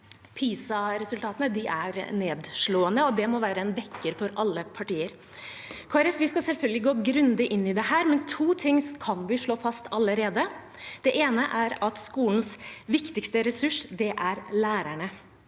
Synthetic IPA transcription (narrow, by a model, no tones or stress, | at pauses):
pʰiːsɑɾɛsʉlt̪ɑːt̪ənəd̪ɪʔæɾneːd̪ʂɭoːənəɔd̪ɛmɔʋæːɾəɛnʋɛkːəɾfɔɾɑlːəpʰɑʈiːəɾ | kʰoːæɾɛfʋɪskɑsɛlfœlɡ̪əlɪɡoːɡɾʉnd̪ɪʔɪnːɪd̪ɛhæːɾmɛnt̪ʰuːt̪ʰɪŋːskʰɑnʋɪʂɭoːfɑst̪ʰɑləɾeːd̪ə | d̪̥ɛʔeːnəʔæɾɑt̪skuːln̩sʋɪkt̪ɪkst̪əɾɛsʉʂd̪ɛʔæɾlæːɾæɳə